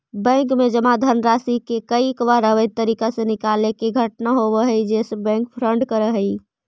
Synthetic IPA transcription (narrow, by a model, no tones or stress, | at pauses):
bɛ̃ŋkmed͡ʒəmad̪ʱənəɾasikekəikbaɾəʋət̪ːəɾikasẽnikalekeɡʱəʈnaɦobəɦəjd͡ʒesebɛ̃ŋk̚pʰɾəɳɖkəɾəɦəj